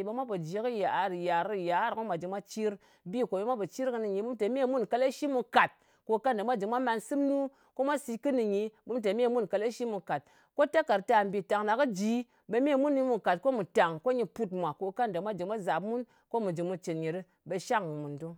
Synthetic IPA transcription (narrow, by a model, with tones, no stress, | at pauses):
ɓe˧mʷa˦po˨d͡ʒi˨˦kɨ˦ja˨ɾja˨ɾɨ˦˨ja˨˦ɾkɨ˦mʷa˨d͡ʒi˨mʷa˦t͡ʃi˦ɾ | bi˦ko˨ɓe˧˦mʷa˦pɨ˨t͡ʃi˦ɾkɨ˧nɨ˨ɲi˨˧˦ɓu˦m˦te˨me˦mu˦nka˧le˦ʃi˦mu˧ka˨t̚ | ko˨ka˦n˨da˨ma˦˨d͡ʒi˨mʷa˦ma˧nsɨ˦mnu˦ | ko˦mʷa˦si˧kɨ˦nɨ˨ɲi˧ɓu˦mt̬e˨me˦˨mu˦nka˨le˦ʃi˦mu˧ka˨t̚ | ko˦ta˦ka˨ɾta˧˨m˨bʲi˨ta˨ŋna˨kɨ˦d͡ʒi˦ | ɓe˧me˦mu˦nːi˦mu˨ka˨t̚ko˦mu˨ta˨ŋko˦ɲi˧pu˧tmʷa˨ko˨ka˦nda˨mʷa˦d͡ʒi˨mʷa˦za˨pmu˦n | ko˦mu˨d͡ʒi˨mu˧t͡ʃe˨nɲi˨ɾɨ˦ | be˧ʃa˦ŋ˨mu˨ndo˦